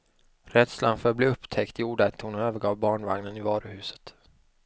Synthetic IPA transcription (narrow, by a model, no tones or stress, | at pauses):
ɾɛd̪slanfœːɾbliːɵpt̪ʰɛkt̪ɪjuːɖat̪ʰuːnɔøːvəɾɡɑːvbɑːɳva̰ŋnənɪvɑːɾəhʉ̟ːsə̥t̪